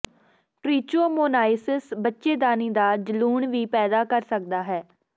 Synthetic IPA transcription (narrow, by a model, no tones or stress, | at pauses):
ʈɾiːt͡ʃoːmoːnaːɪsɪsbətːʃeːd̪aːniːd̪aːd͡ʒəluːɳʋiːpɛːd̪aːkəɾsək̚d̪aːɦɛː